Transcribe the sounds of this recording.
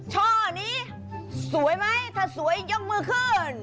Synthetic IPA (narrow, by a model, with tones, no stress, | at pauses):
t͡ɕʰɔː˧˩˨niː˧˥ | su˨˩˦əjma˧˥jt̪ʰaː˧˩su˨˩˦əjzɔ˧˥m̚mɯː˧˩kʰɯː˧˩n